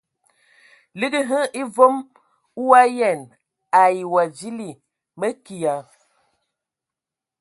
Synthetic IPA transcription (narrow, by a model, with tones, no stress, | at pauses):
li˦ɡi˦ɦə˦ʔi˦vo˦m | u˦a˦jɛ˦˨n | a˨ji˨wa˨d͡ʒi˦li˨ | mə˦ki˨a˨